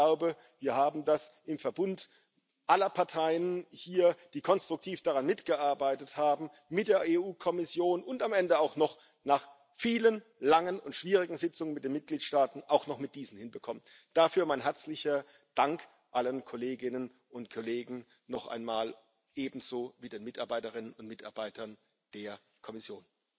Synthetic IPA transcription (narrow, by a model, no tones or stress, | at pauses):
laʊbə | viːɐhaːbm̩dasʔɪmfɛɐbʊnt | ʔalɐpʰaɐtʰaɪənhiːɐd̥iːkʰɔnstʁ̥ʊktʰiːfd̥aʁanmɪtɡ̥əʔaɐbaɪtəthaːbm̩ | mɪt̚d̥eːɐʔeːʔuːkʰɔmɪsjoːnʊntamɛndəaʊxnɔχ | naːχ | fiːlən | laŋənʊntʃv̥iːʁɪɡŋ̩zɪt͡sʊŋənmɪtdeːnmɪt̚ɡ̥liːtʃtaːtn̩ʔaʊxnɔχmɪt̚d̥iːzn̩hɪnbəkʰɔmən | d̥afyːɐmaɪnɦɛɐt͡slɪçɐ | d̥aŋk | ʔalənkʰɔleːɡɪnən | ʊntkʰɔleːɡŋ̩ | nɔχʔa̰ɪnmaːl | ʔeːbm̩z̥oːviːdeːnmɪtaɐbaɪtəʁɪnənʊntmɪta̰ɐbaɪtʰɐn | d̥eːɐ | kʰɔmɪsjoːn